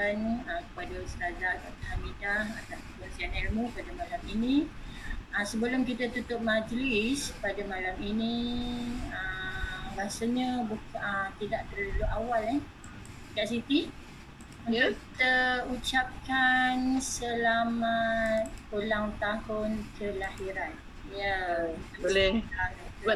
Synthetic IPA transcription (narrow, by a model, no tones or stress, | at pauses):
anəkəpadasətad͡ʒat̪ɔt̪ahamidahat̪ap | ənsianɛlmupadamalaminĩ | əsəbəlʊmkit̪at̪ut̪ʊʔ̚mad͡ʒlɪspadamalamini | əɾasaɲəbukət̪idaʔt̪ərlaluʔawala | kaʔsit̪i | unʊi̥t̪əut͡ʃap̚kansəlamat̪̚pulaŋt̪ahʊnkʰəlahiɾan | ja | olɛa